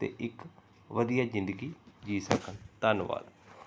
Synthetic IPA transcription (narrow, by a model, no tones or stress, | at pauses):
t̪ḛʔɪk | ʋɐd̪ijazɪ̃nd̪əɡid͡ʒiːsã̰kʰənt̪aːnʋa̰ːd̪